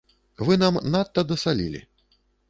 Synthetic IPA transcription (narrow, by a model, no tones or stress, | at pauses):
vɨnamnat̪ːɐd̪ɐsalʲḭlʲḭ